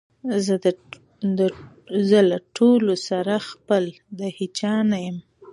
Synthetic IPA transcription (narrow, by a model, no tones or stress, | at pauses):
zə | ə | zəlaʈʰolosaɾaxpəl | d̪əhit͡ʃɑnajəm